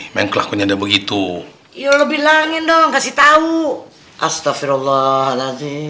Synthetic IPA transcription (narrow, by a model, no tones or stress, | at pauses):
maŋkəlakuɲaadabəɡit̪u | ijoləbihlaŋɪt̪̚dɔŋkasit̪au | ʔast̪afiɾalːɔhalazi